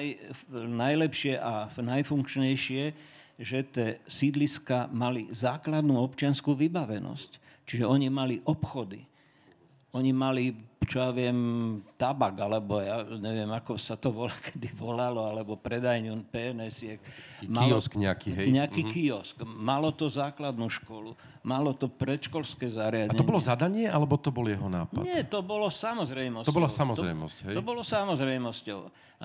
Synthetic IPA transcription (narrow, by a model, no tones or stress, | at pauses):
jnajlɛpʃɪɛʔanajfuŋkt͡ʃɲɛjʃɪɛ | ʒɛt̪ɛːsid̪liskamalizaːklad̪nuːɔpt͡ʃɪanskuːʋibaʋɛnɔ̰sc | t͡ʃiʒɛɔɲimaliʔɔpxɔd̪ḭ | ɔɲimalit͡ʃɔjaːʋɪɛmt̪abaɡalɛbɔjaːɲɛʋɪɛmakɔsat̪ɔʋɔlakʰɛ̥d̪iʋɔlalɔalɛbɔpɾɛd̪ajɲunpɛnɛsɪɛkmailɔskɲɛakiɦɛjɲɛakiːkiɔskmalɔt̪ɔzaːklad̪nuːʃkɔlu | malɔt̪ɔpɾɛt̪ʃkɔlskɛːzaɾɪad̪aɲɛɔɲbɔlɔzad̪aɲɪɛʔalɛbɔt̪ɔbɔljɛɦɔna̰ːpɲa̰ɪɛt̪ɔbɔlɔsamɔzɾɛjmɔsbɔlasamɔzɾɛ̰jmɔ̰scɦɛɔbɔlɔsamɔzɾɛjmɔscɔʊ